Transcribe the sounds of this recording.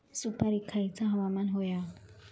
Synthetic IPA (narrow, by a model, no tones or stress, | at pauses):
supaɾikʰait͡sʰaɦawamanɦɔja